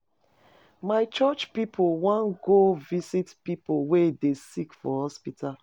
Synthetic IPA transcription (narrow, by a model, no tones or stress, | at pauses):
maɪt͡ʃɔt͡ʃpipʰowãnɡovisitpipolwedesikfɔ̰hɔspitʰal